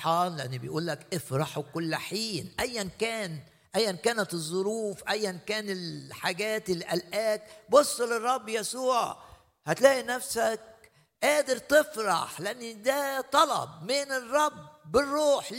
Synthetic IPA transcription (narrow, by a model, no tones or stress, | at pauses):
ħɑːnleʔanːibɪjʔuːlːækʔɪfɾˤɑħkʊlːħiːnʔæjːænkæːn | ʔæjːænkæːnæt̪ɨzˤːʊɾuːfʔæjːænkæːnɪlħaɡæːt̪ɪlːiʔælʔæːk̪̚bosˤːlɪrˤːɑbːjæsuːʕ | hæt̪læːʔinæfsæk̚ | ʔæːd̪ɪɾt̪ɪfɾɑ̰ħlɪʔanːid̪æːt̪ˤɑlɑ̰b̚mɪnɪrˤːɑbːɪrˤːuːħ